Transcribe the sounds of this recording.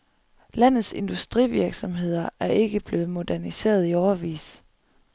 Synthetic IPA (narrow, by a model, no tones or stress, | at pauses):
læn̰ð̩ˠse̝nd̥usd̥ʁḭːʋiɐɡ̥sɒ̽mɦe̝ð̞̰ˠɐʔæɐʔe̝ɡ̥əb̥le̝ːð̩ˠmo̝d̥æɐnise̝̰ːɐð̞ˠiɒʊɐʋḭːs